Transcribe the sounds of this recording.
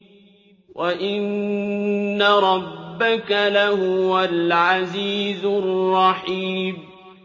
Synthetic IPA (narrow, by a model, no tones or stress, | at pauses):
wʔaʔɪnː | aɾˤɑbːakalahʊwalʕaziːzʊrːɑħiːm